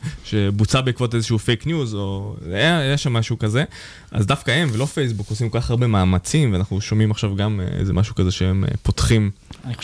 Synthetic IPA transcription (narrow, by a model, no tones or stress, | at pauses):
ʃe̞but͡sabeikvo̞tezeʃufe̞jknjuzo̞ | jeʃamːaʃukaze̞ | ʔa̰zdafkaemvelofejs̬bukosimkokaχaʁbe̞maːmat͡simveanaχnuʃo̞mimaχʃavɡamḛzemaʃukaze̞ʃeem̰potχimanio